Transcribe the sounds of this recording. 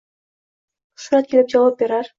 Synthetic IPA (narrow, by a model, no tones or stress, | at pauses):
ʃuɾɑt̪̚kʲʰelip̚d͡ʒɑlˠap̚beɾɑɾ